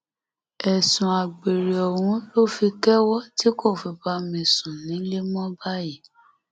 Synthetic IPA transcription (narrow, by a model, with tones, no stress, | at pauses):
ɛ˨sũ˨a˨ɡ͡be˨ɾe˨ɔ˨w̃ũ˨˦lo˦fi˧kɛ˦wɔ˦ti˨˦ko˦˨fi˧ba˧˦mĩ˧sũ˨nĩ˨˦le˦mɔ̃˦ba˦ji˦˨